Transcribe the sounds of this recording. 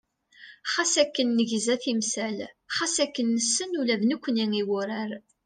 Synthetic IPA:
χasækːənːəʝzæθimsæl | χasækːənːəsːənulæðnukʷːəniŋiwʊɾæɾ

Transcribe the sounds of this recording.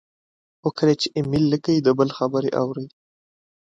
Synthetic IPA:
wʊkɾet͡ʃeʔɪmilːəkaid̪əbəlxabəɾeʔa̰wɾəj

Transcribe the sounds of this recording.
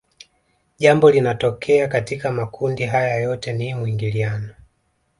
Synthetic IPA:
ʄambɔlinatɔkʰɛakatikamakʰundiɦajajɔtɛnimwiŋɡilianɔ

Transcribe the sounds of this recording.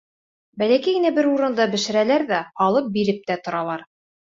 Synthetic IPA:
bælækijɘ̆næbɘɾuɾɤ̆nd̪ɑbɘ̆ʃɘ̆ɾælæɾðæɑlˠɤp̚biɾɘp̚t̪æt̪ŏɾɑlˠɑɾ

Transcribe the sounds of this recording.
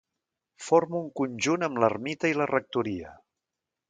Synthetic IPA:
foɾmuːŋkunʲʒunəmlərmit̪əilərək̚t̪uɾiə

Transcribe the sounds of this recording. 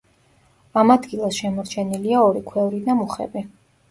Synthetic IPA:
amad̪ɡilˠasʃɛmɔɾt͡ʃʰɛniliaɔɾikʰwɛvɾid̪amuχɛ̰bi

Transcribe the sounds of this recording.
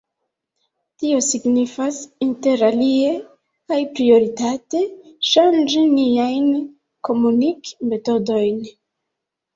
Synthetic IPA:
tio̞siɡnifasinte̞ɾalie̞ | kajpɾio̞ɾitate̞ʃand͡ʒiniajn | ko̞munikme̞to̞do̞jn

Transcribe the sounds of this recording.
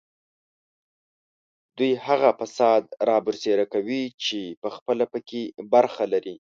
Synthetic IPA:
d̪ujhaɣafasɑd̪ɾɑbʊɾseɾakawit͡ʃepəxpəlapəkebaɾxalaɾi

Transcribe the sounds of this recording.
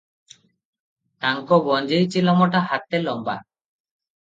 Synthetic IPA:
taŋkobɔnd͡ʒejt͡ʃilɔmɔʈaɦat̪elɔmba̰

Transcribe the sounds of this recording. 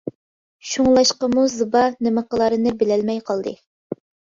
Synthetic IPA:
ʃuŋlˠɑʃqəmuzɨbɑnɪməqəlˠɑɾɨnɨbɪlælmɛjqʰɑlˠd̪ɨ̰

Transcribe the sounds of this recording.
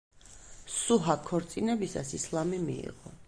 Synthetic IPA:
suɦakʰːɔɾt̪sʼinɛbisa̰sislˠamimḭḭʁɔ

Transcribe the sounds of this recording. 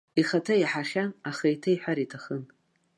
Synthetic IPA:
iχatʰajħaχʲanaχaitʰajħʷaɾitʰaχən

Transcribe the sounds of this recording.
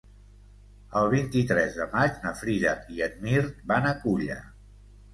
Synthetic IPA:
əlˠβ̞int̪it̪ɾɛzðəmat͡ʃnəfɾiðakiəd̪̚miɾt̪banəkuʎə̰

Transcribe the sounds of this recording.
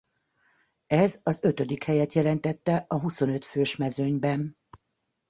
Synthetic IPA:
ɛzɒzø̞t̪ø̞d̪ikhɛjɛt̪jɛlɛn̪t̪ɛt̪ːɛʔɒɦuso̞nø̞t̪føːʃmɛzø̞ɲbɛn

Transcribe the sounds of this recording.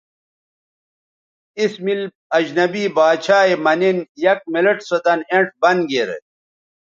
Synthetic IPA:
ismil | ɐd͡ʑnɐbiːbaːt͡ɕʰaːemɐninjɐk̚mileʈsɐt̪ɐneɳʈ̚bɐnɡeɾḛ

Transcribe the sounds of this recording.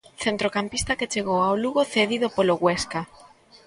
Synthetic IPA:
θent̪ɾokampist̪aket͡ʃeɣowaoluɣoθeðiðopoloɣwɛska

